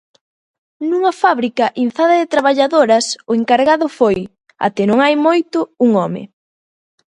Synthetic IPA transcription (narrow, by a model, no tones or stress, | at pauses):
nuŋɐfaβɾikɐʔin̟θaðɐðɪt̪ɾaβaʎaðoɾɐsʊeŋkaɾɣaðʊfoj | a̰t̪ɪnõŋajmojt̪ʊuŋɔmɪ̰